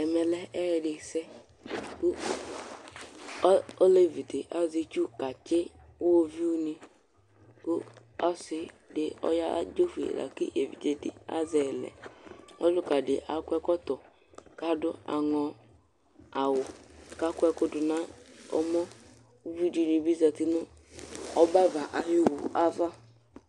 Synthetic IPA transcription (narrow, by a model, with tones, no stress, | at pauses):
ɛ˨mɛ˨lɛ˦ɛ˦ɣɪ˨dɪ˨sɛ˦ | ku˦ | o˦le˦˨vi˨te˨ʔa˦zi˦t͡ʃu˦ka˨t͡ʃe˦ | wo˦vi˦u˦ni˦ | kʊ˦ɔ˦sɪ˦ | dɪ˨ɔ̰˦ja˦d͡ʒo˦fḭ˨ɾa̰˨kḭ˦ʔe˨vḭ˨de˨dɪ̰˨a̰˦zɛ˨lɛ̰˨o˦lu˦ka˨dɪ˨ʔa˨kʷɛ˦kɔ˦tɔ˨ | ka˦dʊ˦a̰˨ŋɔ˨ | a˨wʊ˨ka˦kʷɛ˧kʊ˦dʊ˨na˦ɔ̰˦mɔ˦ | u˦vi˦di˨˦ni˨bi˦za˨ti˦nʊ˦ | ɔ˦ba˦va˨ʔa˨ju˦wu˨a˦va˦